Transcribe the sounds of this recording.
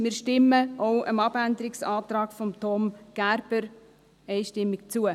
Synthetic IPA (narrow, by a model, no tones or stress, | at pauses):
mɪːɾʃtɪmːəɔʊəmɑb̥ænd̪əɾɪksɑːt̪ɾɑːkfɔmt̪ɔmɡ̥æɾb̥əɾ | ɛɪʃtɪmːɪkt͡suə